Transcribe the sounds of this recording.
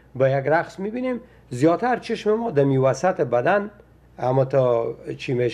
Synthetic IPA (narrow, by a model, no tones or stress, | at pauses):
bəjaɡɾaqsmibinem | zjɔt̪aɾt͡ʃʰɪʃmɪmɔd̪amiwasat̪ɪbad̪an | amɔt̪ɔt͡ʃʰimeʃ